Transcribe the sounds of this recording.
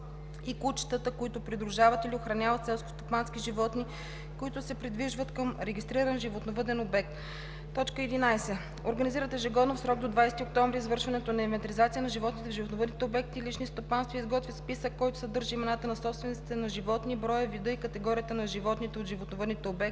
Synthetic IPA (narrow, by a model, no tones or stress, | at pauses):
ikut͡ʃi̥t̪ət̪əkoit̪ʊpɾid̪ɾuʒavət̪ilioxɾɐnʲavɐt̪sɛlˠsko̥st̪opanskiʒivɔt̪ni | koit̪ʊsɛpɾid̪viʒvət̪kəmɾɛɡʲist̪ɾiɾɐnʒivot̪novəd̪ɛnobɛk̚t̪ː | ɔt͡ʃkəɛd̪inajsɛ | oɾɡəniziɾət̪ɛʒɛɡɔd̪nofsɾɔɡ̚d̪od̪vajsɛt̪iok̚t̪ɔɱvɾizvɤɾʃvɐnɛt̪onɐivɛnt̪ɾizat̪sijənɐʒivɔt̪nit̪ɛvʒivot̪novəd̪nit̪ɛobɛk̚t̪iːlit͡ʃnist̪opanst̪vəizɡɔt̪vʲispisəkːɔjt̪ʊ̥sɛd̪ɤɾʒiimɛnat̪ənɐsɔpst̪vɛnt̪i̥t̪ɛnɐʒivɔt̪nibɾɔjəvid̪ɤikət̪ɛɡɔɾiət̪ənɐʒivɔt̪nit̪ɛot̪ʒivot̪novəd̪nit̪ɛobɛk̪